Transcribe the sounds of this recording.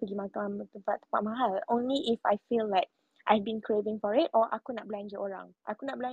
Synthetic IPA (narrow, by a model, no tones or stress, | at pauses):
pəɡimakamt̪əpatt̪ːə̥paʔ̚maɦalõnliʔːfa̰jfillaɪk̚ | ʔajvbĩnkʰɹevɪ̃ŋfɔɹɪtɔʔa̰kunaʔ̚bland͡ʒəʔoɹã̰ŋʔakunaʔblã